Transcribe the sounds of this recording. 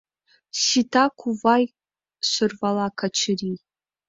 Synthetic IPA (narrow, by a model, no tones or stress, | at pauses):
ʃitʰakʷʰuvaj | ʃʷɨrvalakʰat͡ʃʰɪri